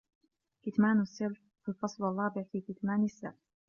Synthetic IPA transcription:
kɪt̪maːnasːalf | fɪlfɑsˤlɑrˤːɑːbɪʕfiːkɪt̪maːnasːalf

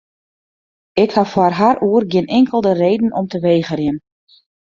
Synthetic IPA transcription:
ɪkhafwarɦaruːərɡjɪnɪŋkʰəlˠdəreːdn̩ʔɔmtəʋeːɣərjɪn

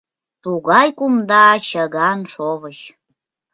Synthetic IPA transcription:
t̪uɣɑjkumd̪ɑt͡ɕəɣɑnʃovəɕ

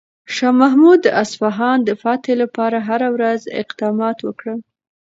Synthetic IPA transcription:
ʃɑmaɦmud̪əasfaɦɑnd̪əfɑt̪elapɑɾaɦaɾawɾazɪ̰qd̪ɑmɑt̪wəkɽə

